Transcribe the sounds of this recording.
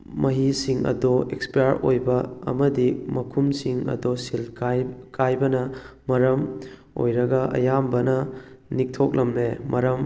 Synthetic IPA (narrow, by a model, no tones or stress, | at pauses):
mʔɐɦisiŋɐ̰doekspijaɾojbɐ̰ːmɐdimɐkʰumsiŋɐ̰dosilakajbɐnɐmɐɾɐm | o̰jɾɐɡɐʔɐ̰jambɐnɐnik̚tʰok̚lɐmnemɐɾɐm